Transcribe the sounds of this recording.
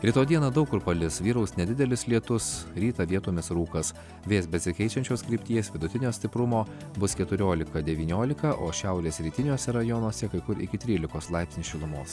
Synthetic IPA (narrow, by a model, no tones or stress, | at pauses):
ɾʲɪt̪oːd̪ʲiɛnɐːd̪ɐʊkːʊɾpɐlʲɪsʋʲiːɾɐʊsnʲɛd̪ʲɪd̪ʲɛlʲɪslʲiɛt̪ʊsɾʲiːt̪ɐʋʲiɛt̪oːmʲɪsɾuːkɐs | ʋʲeːsbʲɛsʲɪkʲɛɪt͡ʃʲɛnʲt͡ʃʲoːskɾʲiːpʲt̪ʲiːɛsʋʲɪd̪ʊt̪ʲɪnʲoːsʲt̪ʲɪpɾʊmoː | bʊskʲɛt̪ʊɾʲoːlʲɪkɐd̪ʲɛʋʲiːnʲoːlʲɪkɐʔoːʃʲæʊɾʲeːsʲɾʲiːt̪ʲɪnʲuɔsʲɛɾɐjɔnuɔsʲɛkɐɪkʊɾɪkʲɪt̪ʲɾʲiːlʲɪkoːslˠɑɪpsʲnʲɪsʃʲɪlˠʊmoːs